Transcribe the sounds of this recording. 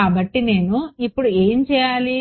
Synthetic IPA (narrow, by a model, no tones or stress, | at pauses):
aːbɐʈːine̞ːnuipːuɽueːmt͡ʃɛːjaːli